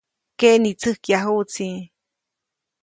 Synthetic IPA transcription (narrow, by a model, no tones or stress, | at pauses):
keʔnit͡sɨhkjaɦut͡si